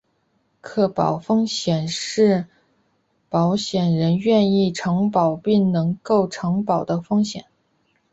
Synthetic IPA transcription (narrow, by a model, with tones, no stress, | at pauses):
kʰɤ˥˩pɑ̰˨˩ʊfɤ˥ŋɕjɛ˨˩nʂɻ̩˥˩ | pɑ˧˥ʊɕjɛ˨˩nɻə˧˥nɥɛ˥˧ni˥˩ʈ͡ʂʰɤ˧˥ŋpɑ˨˩ʊpi˥˩ŋnɤ˧˥ŋko˥˩ʊʈ͡ʂʰɤ˧˥ŋpɑ˨˩ʊd̪ə˦fɤ˥ŋɕjɛ̰˨˩˦n